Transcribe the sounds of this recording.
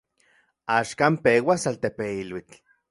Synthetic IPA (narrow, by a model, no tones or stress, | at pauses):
aːʃkampewasalt̪epeilwit͡ɬ